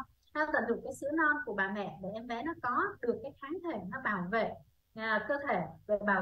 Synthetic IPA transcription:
nɔ˨˦k̪ə̰˨˧˩nɗɨ˨˩kːaː˨˦jsɨ̰˧˥nɔ˧nku˧˩əɓaː˨˩mɛ̰˧˨ɗe˧˩ʔɛ˧mvɛ̰˧˥nɔ˨˦kɔ˨˦ɗɨ˨˩əkːaː˨˦jxaː˨˦nt̪ʰe˧˩nɔ˨˦ɓaː˧˩wvḛ˧˨ | aː˨˩kəː˧t̪ʰe˧˩ve˨˩ɓaː˨˩

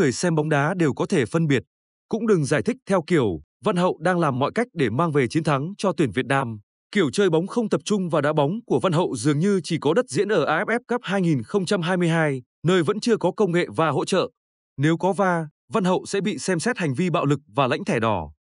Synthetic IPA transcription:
ɨ˨˩əjsɛ˧mɓa˨˦wŋ͡mɗaː˨˦ɗe˨˩wkɔ˨˦t̪ʰe˧˩fə˧nɓi˨˩ət̚ | kʊ̰˧˥ŋ͡mɗɨ˨˩ŋzaː˧˩jt̪ʰi˦˥k̚t̪ʰɛ˧wki˧˩əw | va˧nɦə̰˧˨wɗaː˧ŋlaː˨˩mːɔ̰˧˨jka˦˥jk̟̚ɗe˧˩maː˧ŋve˨˩t͡ɕi˨˦ənt̪ʰa˨˦ŋt͡ɕɔ˧t̪wi˧˩ənvi˨˩ət̚naː˧m | ki˧˩əwt͡ɕəː˧jɓa˨˦wŋ͡mxə˧wŋ͡mt̪ə˨˩p̚t͡ɕʊ˧ŋ͡mvaː˨˩ɗaː˨˦ɓa˨˦wŋ͡mku˧˩əva˧nɦə̰˧˨wzɨ˨˩əŋɲɨ˧t͡ɕi˧˩kɔ˨˦ɗə˦˥t̚zḭ˧˥ənʔəː˧˩ʔaː˧ʔɛ˦˥p̚ʔɛ˦˥p̚kə˦˥p̚ɦaː˧jŋi˨˩nxə˧wŋ͡mt͡ɕa˧mɦaː˧jmɨ˧əjɦaː˧j | nəː˧jvə̰˧˥nt͡ɕɨ˧əkɔ˨˦kə˧wŋ͡mŋḛ˧˨vaː˨˩ɦo̰˧˥t͡ɕə̰ː˧˨ | ne˨˦wkɔ˨˦vaː˧ | va˧nɦə̰˧˨wsɛ̰˧˥ɓḭ˧˨sɛ˧msɛ˦˥t̚ha˨˩jŋ̟vi˧ɓa̰ː˧˨wlɨ˨˩k̚vaː˨˩la̰˧˥jŋt̪ʰɛ˧˩ɗɔ˨˦

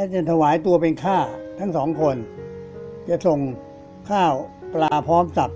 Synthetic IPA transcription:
lɛ˦˥˩t͡ɕa˨˩t̪ʰa˧waː˩˦jt̪u˧ɐp̬e˧nkʰaː˥˩t̪ʰa˦˥ŋsɔː˩˦ŋkʰo˧n | t͡ɕa˨˩so˨˩ŋ | kʰaː˥˩wplaː˧pʰɔː˦˥msa˨˩p̚

